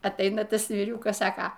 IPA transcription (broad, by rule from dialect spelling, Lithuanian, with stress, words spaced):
ɐtˈɐɪnɐ ˈtɐs ʋʲiːˈrʲuːkɐs ˈsɑːkɐ